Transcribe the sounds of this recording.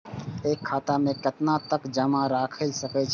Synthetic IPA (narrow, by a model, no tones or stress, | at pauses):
eːkʰːaːt̪amẽkɐt̪nat̪ɐkd͡ʒɐmaɾaːkʰəisɐket͡ʃʰ